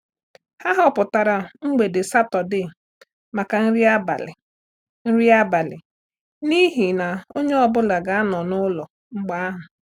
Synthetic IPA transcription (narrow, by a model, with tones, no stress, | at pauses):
ha˦ɦɔ˦pʊ˨ta˨ɾa˨ŋ͡m̩˦ɡ͡be˨dɪ˨sa˦tɔ˨dɪ˦ | ma˨ka˨n̩˦ɾi˦a˦ba̰˨lɪ̰˨ | n̩˦ɾi˦a˦ba˨lɪ̰˨ | ni˦ɦi˨na˨o˦ɲe˦ɔ˦bʊ˦la˨ɡa˨a˦nɔ˨nʊ˦lɔ˨ | ŋ͡m̩˦ɡ͡ba˦a˦ɦʊ˨